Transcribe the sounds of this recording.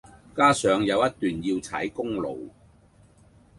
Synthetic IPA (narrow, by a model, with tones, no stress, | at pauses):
kaː˥sœː˨˧ŋjɐ˨˧wjɐ˥t̚t̪yː˨˩njiː˧wt͡sʰɐ̰˨˥jkʊ˥ŋlo̰˨w